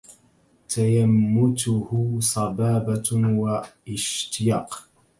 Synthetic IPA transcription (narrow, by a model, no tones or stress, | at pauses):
t̪ajamːʊt̪ʊhʊsˤɑbɑːbawaʔɪʃt̪ɪjaːq